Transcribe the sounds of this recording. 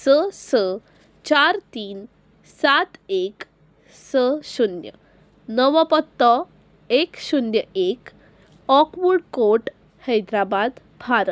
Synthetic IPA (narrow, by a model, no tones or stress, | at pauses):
səsə | t͡ɕaɾt̪iːn | sat̪ek | səɕunjə̰ | nəʋəpɔt̪ːɔ | ekɕunjəek | ɔkʋuɾɽkoʈ | həjd̪ɾabad̪ | bʱaɾət̪